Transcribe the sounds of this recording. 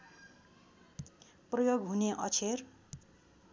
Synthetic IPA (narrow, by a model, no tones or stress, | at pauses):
prʌjoɡɦuneʔʌ̰t͡sʰer